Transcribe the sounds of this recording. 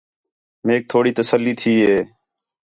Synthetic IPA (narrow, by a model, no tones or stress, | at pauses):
meːk̚t̪ʰoːɽiːt̪əsəlːiːt̪ʰiːɦeː